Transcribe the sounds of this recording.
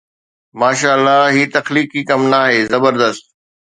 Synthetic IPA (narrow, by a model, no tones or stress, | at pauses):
maːʃaːlːaːɦiːt̪ɐxliːkikɐmnaːɦeːzɐbəɾd̪əst̪̚